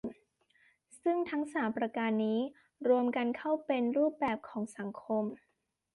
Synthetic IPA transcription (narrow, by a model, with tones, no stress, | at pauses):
sɯ˥˩ŋt̪ʰa˦˥ŋsaː˩˦mpɾa˧kaː˧nːiː˦˥ | ɾu˧əmka˧nkʰa˥˩wpe˧nɾuː˥˩p̚bɛː˨˩p̚kʰɔː˩˦ŋsa˩˦ŋkʰo˧m